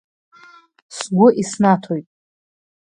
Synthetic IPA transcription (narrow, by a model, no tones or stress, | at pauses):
sɡʷʊʔisnatʰojtʼ